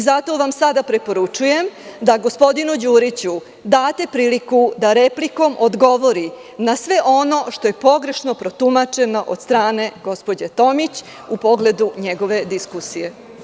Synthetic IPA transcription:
izat̪o̞ʋamsad̪apɾepo̞ɾut͡ʃuje̞md̪aɡospo̞d̪inud͡ʑuːɾit͡ɕu | d̪aːt̪e̞pɾiːlikud̪aɾepliko̞mʔod̪ɡo̞ʋo̞ɾi | nasʋe̞ʔo̞no̞ʃt̪o̞je̞po̞ɡɾe̞ʃno̞pɾo̞t̪umat͡ʃe̞noʔod̪st̪ɾaːne̞ɡo̞spo̞d͡ʑet̪o̞mit͡ɕ | upo̞ɡle̞d̪uɲeɡo̞ʋe̞d̪iskusije̞

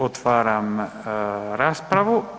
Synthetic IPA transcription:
ot̪faɾam | ɾaspɾavu

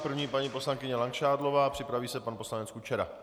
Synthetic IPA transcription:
pr̩vɲiːpaɲipo̞slaŋkɪɲɛlaŋkʃaːdlo̞vaːpr̥ɪpɾaviːsɛpanpo̞slanɛt͡skut͡ʃɛɾa̰

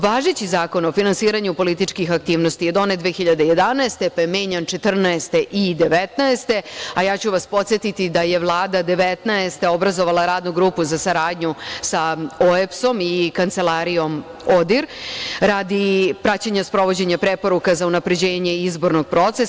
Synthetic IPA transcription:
ʋaːʒet͡ɕizaːko̞nofinansiːɾaɲupo̞lit̪it͡ʃkixak̚t̪iːʋnost̪ijed̪o̞ned̪ʋexiʎad̪eje̞d̪anaest̪epajemeːɲant͡ʃe̞t̪r̩naest̪e̞ʔid̪e̞ʋet̪naest̪e̞ajaːt͡ɕuʋaspo̞t̪sʲjet̪it̪id̪aje̞ʋlˠaːd̪ad̪e̞ʋet̪naest̪eo̞bɾazo̞ʋalˠaɾaːd̪nuɡɾuːpuzasaɾaːd̪ɲusaoepso̞mikant̪se̞laːɾijo̞m | od̪iɾɾad̪ipɾat͡ɕaɲaspɾo̞ʋo̞d͡ʑeɲapɾe̞po̞ɾukazaunapɾe̞d͡ʑe̞ːɲe̞izbo̞ɾnoɡ̚pɾo̞t̪ses

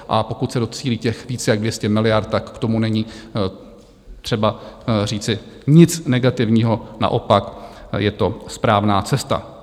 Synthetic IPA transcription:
ʔapo̞kut̪sɛdo̞t͡siːliːcɛxviːt͡sɛjaɡdvjɛscɛmɪlɪjaɾt̪̚t̪akkt̪o̞munɛɲiː | t̪r̝̥ɛbariːt͡sɪ | ɲɪt͡snɛɡat̪ɪvɲiːɦo̞na̰ʔo̞pakjɛt̪o̞spɾaːvnaːt͡sɛst̪a̰

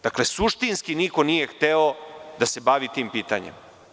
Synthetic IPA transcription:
d̪̥aklesuʃt̪inskiniko̞nije̞xt̪eod̪ase̞baːʋit̪iːmpiːt̪a̰ɲḛm

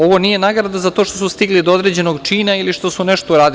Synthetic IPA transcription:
o̞ʋo̞nije̞naɡɾad̪azat̪oʃt̪o̞sust̪iɡlid̪ood̪ɾe̞ːd͡ʑe̞no̞ɡt͡ʃiːnailiʃt̪o̞suneʃt̪oɾaːd̪i

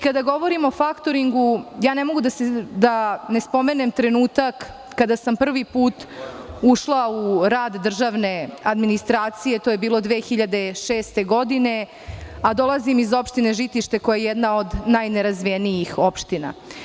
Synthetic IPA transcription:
kad̪aɡo̞ʋo̞ɾimo̞fakt̪o̞ɾiŋɡujaːnemo̞ɡud̪ased̪ane̞spo̞me̞ne̞mt̪ɾe̞nuːt̪akː | ad̪asampr̩ʋipuːt̪uʃlˠauɾaːd̪ːr̩ʒaʋne̞ad̪minist̪ɾaːt̪sije̞t̪oːjebiːlˠo̞d̪ʋeːxiʎad̪e̞ʃeːst̪e̞ɡo̞d̪ine̞ | ad̪o̞lˠazimizo̞pʃt̪ine̞ʒit̪iʃt̪e̞ko̞jajejɛd̪nao̞d̪najneɾazʋienijixo̞pʃt̪ina̰

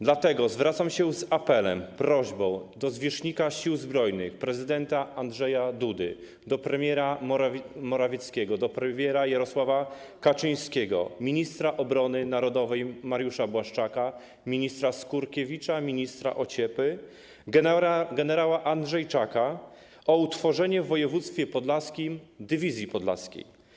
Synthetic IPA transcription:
d̪lat̪ɛɡɔzvɾat̪samɕɛzapɛlɛ̰mpɾɔʑbɔ̃w̃d̪ɔzvʲjɛʂɲikaɕiwzbɾɔjnɘ̰xpɾɛzɘd̪ɛnt̪aandʐɛjad̪ud̪ɘ̰ | d̪ɔpɾɛmʲjɛɾa | mɔɾavʲjɛt̪skʲɛɡɔd̪ɔpɾɛmʲjɛɾajaɾɔswava | kat͡ʂɘj̃skʲɛɡɔ̰mʲiɲist̪ɾaʔɔbɾɔnɘnaɾɔd̪ɔvɛjmaɾjuʂabwaʂt͡ʂaka | mʲiɲist̪ɾaskuɾkʲevʲit͡ʂamʲiɲist̪ɾa̰ʔɔt͡ɕɛpɘ | ɡɡɛnɛɾawaʔandʐɛjt͡ʂaka | ɔut̪fɔʐɛɲɛvːɔjɛvut̪st̪fʲjɛpɔd̪laskʲimd̪ɘvʲizʲjipɔd̪la̰skʲḛj

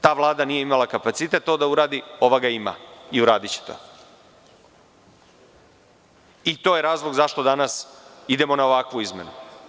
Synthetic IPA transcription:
t̪aːʋlˠaːd̪anije̞imalakapat̪sit̪e̞t̪t̪ːo̞d̪auɾaːd̪io̞ʋaɡaima̰iuɾa̰ːd̪it͡ɕe̥t̪o̰ | it̪o̞ːje̞ɾaːzlˠo̞ɡzaʃt̪o̞d̪anasid̪e̞mo̞naoʋakʋuizme̞nṵ

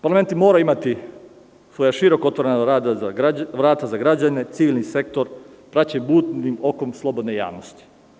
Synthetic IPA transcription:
paɾlame̞nt̪imo̞ːɾaimat̪i | sʋo̞jaʃiɾo̞ko̞t̪ʋoɾenaad̪aaaʋɾaːt̪azaɡɾad͡ʑane̞t̪siʋilʲˠnise̞kt̪o̞ɾ | pɾat͡ɕenbuːt̪nimo̞ko̞mslˠo̞bod̪neja̰ːʋnost̪i̥

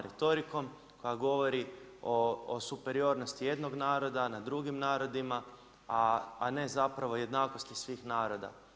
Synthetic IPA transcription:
ɾet̪o̞ɾiko̞m | ko̞jaɡo̞ʋo̞ɾioːsupe̞ɾio̞ːɾno̞st̪ije̞d̪no̞ɡnaːɾo̞d̪anad̪ɾuɡimnaːɾo̞d̪ima | aːne̞zapɾaʋoje̞d̪naːko̞st̪isʋiːxnaːɾo̞d̪a̰

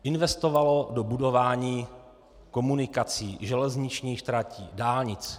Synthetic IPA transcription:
ʔɪnvɛst̪o̞valo̞do̞budo̞vaːɲiː | ko̞munɪkat͡siːʒɛlɛzɲɪt͡ʃɲiːxʃt̪ɾacḭːdaːlɲɪt͡s

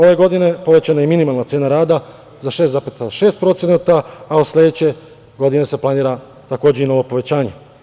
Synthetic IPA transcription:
o̞ʋe̞ɡo̞d̪ine̞po̞ʋe̞t͡ɕanajeminimalˠnat̪seːnaɾaːd̪a | zaʃe̞ːst̪zapet̪aʃeːst̪̚pɾo̞t̪senat̪aːuslʲe̞d̪et͡ɕe̞ | ɡo̞d̪ine̞se̞plˠaniːɾa | t̪akoːd͡ʑeino̞ʋo̞po̞ʋe̞t͡ɕaːɲe̞

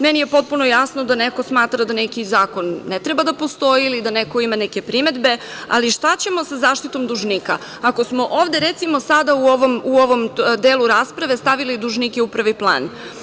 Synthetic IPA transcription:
menije̞po̞t̪̚punojasnod̪aneko̞smaːt̪ɾad̪anekizaːko̞nːet̪ɾebad̪apo̞st̪o̞jilid̪anekoimaneke̞pɾime̞d̪be̞a̰liʃt̪at͡ɕe̞mo̞sazaːʃt̪it̪o̞md̪uʒnika̰ | akosmo̞ʔoːʋd̪eɾet̪simo̞sad̪auo̞ʋo̞muoʋo̞md̪eːlˠuɾaspɾaʋe̞st̪aʋilid̪uʒnikeupr̩ʋiplˠa̰ːn

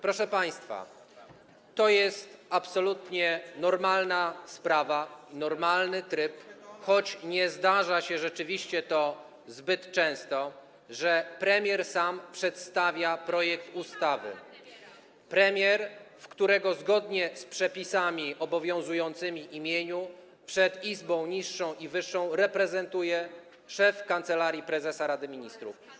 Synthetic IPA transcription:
pɾɔʂɛpaj̃st̪fa̰ | t̪ɔjɛst̪apsɔlut̪ɲɛnɔɾmalnaspɾavainɔɾmalnɘt̪ɾɘpxɔt͡ɕɲɛzd̪aʐaɕɛʐɛt͡ʂɘvʲiɕt͡ɕɛt̪ɔ | zbɘt̪t͡ʂɛ̃w̃st̪ɔ | ʐɛpɾɛmʲjɛɾsampʂɛt̪st̪avʲjapɾɔjɛkt̪ust̪avɘ̰ | pɾɛmʲjɛɾfkt̪uɾɛɡɔzɡɔd̪ɲɛspʂɛpʲisamʲiʔɔbɔvʲjɔ̃w̃zujɔnt̪sɘmʲiʔimʲjeɲu | pʂɛt̪izbɔ̃w̃ɲiʂːɔ̃w̃ʔivɘʂːɔ̃w̃ɾɛpɾɛzɛnt̪ujɛ | ʂɛfkant̪sɛlaɾʲjipɾɛzɛsaɾad̪ɘmʲiɲist̪ɾṵf

